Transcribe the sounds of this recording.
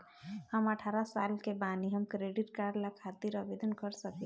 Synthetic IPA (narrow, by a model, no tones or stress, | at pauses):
ɦhəməʈʰaɾasalkebaniɦəmkɾeɖiʈkaɾɖlakʰat̪iɾəbed̪ənkəɾsək